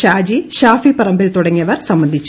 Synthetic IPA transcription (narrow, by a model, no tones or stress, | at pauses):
ɕaːd͡ʑiɕaːfipɐrɐmbilt̪uɽɐŋːiɐʋɐrsɐmbɐnd̪ʱit͡ɕːu